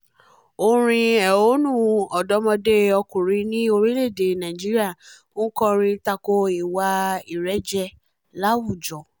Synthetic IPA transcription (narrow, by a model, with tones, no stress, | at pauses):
o˧ɾ̃ĩ˧ɛ˨o˦nũ˦˨ɔ˨dɔ˨˦mɔ̃˧de˦ɔ˧kũ˨ɾĩ˧nĩ˦o˧ɾi˦le˦˨de˨nã˨d͡ʒi˦ɾi˦a˦˨˦ | kɔ̃˧ɾ̃ĩ˧ta˧ko˧i˨wa˧i˨ɾɛ˨˦d͡ʒɛ˧ | la˦wu˦˨d͡ʒɔ˨